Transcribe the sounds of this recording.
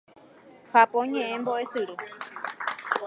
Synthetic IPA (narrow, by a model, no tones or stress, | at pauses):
hapõɲẽʔẽmboʔe̞sɨɾɨ